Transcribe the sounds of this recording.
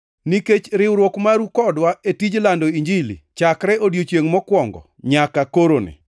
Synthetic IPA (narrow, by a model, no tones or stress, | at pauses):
niket͡ʃɾɪwɾwokmaɾukɔdwaetid͡ʒlandoiɲd͡ʒilḭt͡ʃakɾɛʔodjot͡ʃjeŋmɔkwɔŋɡɔ̰ | ɲakakoɾonɪ̰